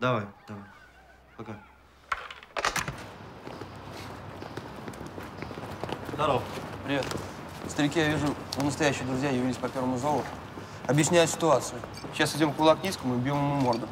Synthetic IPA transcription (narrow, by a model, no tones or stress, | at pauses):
d̪ɐvajd̪̥ɐvaj | pɐka | zd̪ɐɾowpɾʲɪvʲet̪ | st̪əɾʲɪkʲijavʲɪʐunənəst̪ɐjæɕːɪjd̪ɾʊzʲjajɪvʲilʲɪsʲpɐpʲe̞ɾvəmʊzolˠət̪ʊ̥ | ɐbjɪsʲnʲæjʊsʲɪ̥t̪ʊat̪sɨjʊ | ɕasʲɪdʲo̞mfkʊlˠaknʲijskəmʊɪbʲjomɨmumo̞rd̪ʊ